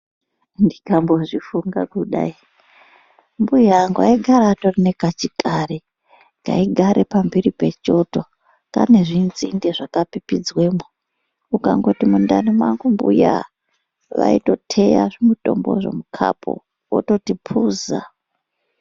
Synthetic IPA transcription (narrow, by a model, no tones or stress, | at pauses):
ndikamboʐifuŋɡakuɗa̰i | mbujaŋɡaiɡʱaɾatorinekat͡ʃitʼari | ŋɡa̰iɡʱaɾʔepambiɾipe̞t͡ʃo̞to̞ | ka̰ne̞ʐinzindeʐakapipid͡zwe̞mo | ukaŋɡo̞timundanimwaŋɡumbṵja̰ | ʋa̰ito̞tʰe̞ja̰ʐimutʼo̞mbo̞̰ʐe̞̰mukʰa̰pʰo̰ | o̰to̞tipʰuːza